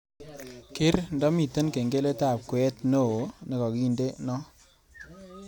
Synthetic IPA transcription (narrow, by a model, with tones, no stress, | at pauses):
kɪ˦ɾndɔ˦mi˨tə˦nke˨ŋɡe˦le˦ta˦˨p̚kwɛ˦tno˦˨o˨˦ne˨kɔ˨ki˦˨nde˦nɔ˦